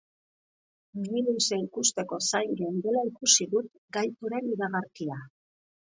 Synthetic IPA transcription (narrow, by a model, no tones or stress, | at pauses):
riluse̞ikust̪e̞ko̞sajŋɡend̪e̞laikusiðut̪ | ɡajt̪uɾe̞niɾaɣaɾkia